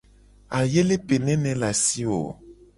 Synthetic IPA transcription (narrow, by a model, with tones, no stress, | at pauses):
a˨je˦le˦pe˨nɛ̃˦nɛ̃˨la˨si˦wo̰˨